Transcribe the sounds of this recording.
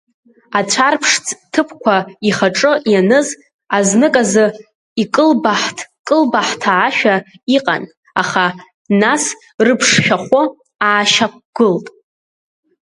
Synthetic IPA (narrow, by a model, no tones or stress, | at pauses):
at͡sʷʰarpʰʂt͡sʰʼtʰɨpʰkʷʰaiχaʈ͡ʂʼɨjanɨz | aznɨkʼazɨ | ikʼɨlbaħtʰkʼɨlbaħtʰaːʃᶣa | iqʼa̰n | aχa | nas | rɨpʰʂʃᶣaχʷo | aːʃak̚ʷɡ̥ɨltʼ